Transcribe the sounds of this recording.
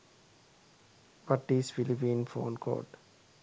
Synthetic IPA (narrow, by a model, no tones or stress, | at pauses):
ʋʌʈisfɪlipĩːnfõ̰ːnkʰo̰ːʈ